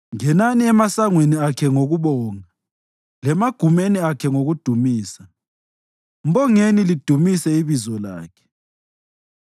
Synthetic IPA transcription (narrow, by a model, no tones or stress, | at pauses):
ŋɛnaniɛmasaŋweniakʰɛŋoɣuβɔːŋa | lɛmaɡ̥ʱumeniakʰɛŋoɣud̥ʱumiːsa | m̩βɔŋenilid̥ʱumisɛiβizɔla̰ːkʰɛ̥